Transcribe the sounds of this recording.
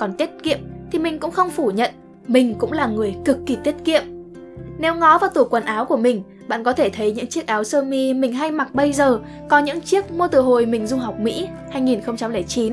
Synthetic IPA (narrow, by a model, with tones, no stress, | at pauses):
kɔ˨˩nt̪i˦˥t̚kḭ˧˨əmt̪ʰi˨˩mï˨˩ŋ̟kʊ̰˧˥ŋ͡mxə˧wŋ͡mfu˧˩ɲə̰˧˨n | mï˨˩ŋ̟kʊ̰˧˥ŋ͡mlaː˨˩ŋɨ˨˩əjkɨ˨˩kːi˨˩t̪i˦˥ət̚kḭ˧˨əm | nɛ˨˦wŋɔ˨˦vaː˨˩wt̪u˧˩kwə˨˩nʔaː˨˦wku˧˩əmï˨˩ŋ̟ | ɓa̰ː˧˨nkɔ˨˦t̪ʰe˧˩t̪ʰə˨˦jɲɨ̰˧˥ŋt͡ɕi˦˥ək̚ʔaː˨˦wsəː˧mi˧mï˨˩ŋ̟ɦa˧jma˨˩k̚ɓə˧jzəː˨˩ | kɔ˨˦ɲɨ̰˧˥ŋt͡ɕi˦˥ək̚mu˧t̪ɨ˨˩ɦo˨˩jmï˨˩ŋ̟zʊ˧ŋ͡mɦa˨˩wk͡p̚mḭ˧˥ | haː˧jŋi˨˩nxə˧wŋ͡mt͡ɕa˧mləː˧˩jt͡ɕi˨˦n